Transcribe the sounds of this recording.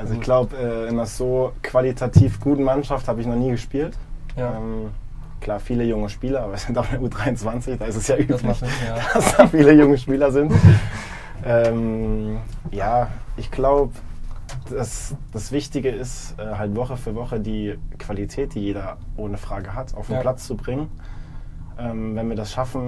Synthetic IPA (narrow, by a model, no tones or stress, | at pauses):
ʔalzoɪççɡ̥laʊbəʔɛːʔɪnɐz̥oːkv̥alitʰatʰiːfɡ̥uːtn̩manʃafthaːbəɪçnɔχniːɡəʃpiːltɛːm | kl̥aːfiːləjʊŋəʃpiːlɐaːbɐz̥ɪntaʊxɪndɛɐʔuːdʁaɪʊnt͡sv̥ant͡sɪçd̥aːɪstɛsjaːʔyːmḁasd̥afiːləjʊŋəʃpiːlɐzɪnt | ʔɛːm | jaːʔɪçɡ̥laʊbəd̥asd̥asv̥ɪçtɪɡəɪstʔɛːɦaltv̥ɔχəfyːɐvɔχədiːkv̥alitʰɛːt̚d̥iːjeːdɐʔoːnəfʁ̥aːɡəɦatʰʔa̰ʊfn̩pl̥at͡st͡subʁɪŋən | ʔɛːmvɛnviːɐdasʃafn̩